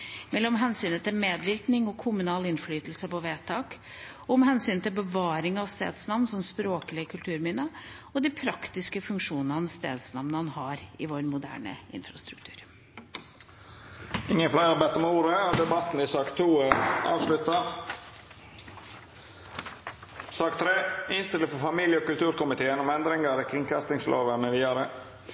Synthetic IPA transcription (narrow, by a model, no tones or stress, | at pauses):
mɛlːɔmɦɛnsyːnət̪ʰɪlmeːd̪ʋɪɾknɪŋɔkʰʊmʉnɑːlɪnflyːt̪əl̩səpɔʋeːt̪ʰɑːk | ɔmhɛnsyːnət̪ʰɪlbəʋɑːɾɪŋɑʋst̪ḛːd̪snɑʋnsɔmspɾoːkəlɪəkʰʉlt̪ʰʉːɾmɪnə | ɔd̪ɪpʰɾɑkt̪ɪskəfʉŋkʂuːnəhɑnst̪ḛːd̪snɑʋnəɑnhɑːɾɪ̰ʋoːɾmʊd̪æ̰ːɳə̰ɪ̰nfɾɑst̪ɾʉkt̪ʰʉːɾ | ɪŋːənflæɪɾɑbɛt̪ːɔmuːɾəɔd̪ɛbɑt̪n̩ɪsɑːkt̪ʰːuːəʔɑ̰ːʋslʉt̪ɑ | sɑːkt̪ʰɾeːɪnst̪ɪləfɔfɑmiːljəɔkʉlt̪ʰʉːɾkʊmɪt̪ʰeːənɔmɛnd̪ɾɪŋɑɾɛkʰɾɪŋkɑst̪ɪŋslʔo̰ːʋənəʋiːɑɾə